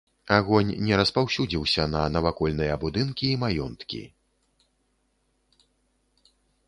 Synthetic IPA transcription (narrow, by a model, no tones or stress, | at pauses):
aɣɔnʲnʲɛɾɐspawsʲud͡zʲiwsʲɐnɐnɐvakɔlʲnɨjɐbud̪ɨnkʲiːmajɔnt̪kʲḭ